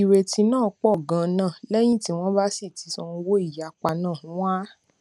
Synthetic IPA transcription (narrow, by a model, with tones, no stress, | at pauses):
i˨ɾe˨ti˧˦nãː˦˨˧k͡pɔ˦˨ɡã˧nãː˦˨lɛ˦j̃ĩ˦ti˨˦w̃ɔ̃˦ba˦si˦˨ti˨˦sɔ̃˧ũ˧wo˦i˦˨ja˨k͡pa˧nãː˦˨ũ˨˦wa˦